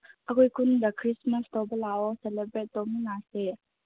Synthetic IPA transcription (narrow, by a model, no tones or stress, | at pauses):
ʔəkɔjkʰund̪ɐkʰɾismɐstɔbəlaɔselebɾet̚dɔminase